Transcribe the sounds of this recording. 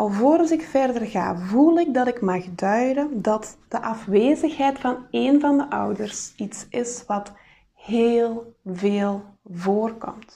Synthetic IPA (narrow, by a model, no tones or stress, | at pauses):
ɑlˠvoːɾɑzɪkfɛrdərɣa̰ːvulˠɪɡ̚dɑtɪkmɑxdœɥdədɑtd̥əʔɑfʋeːzəxɦɛjtfɑneːnvɑndəʔʌ̰wdərsitsʔɪsʋɑt | heːlˠveːlˠvoːrkɔ̰mt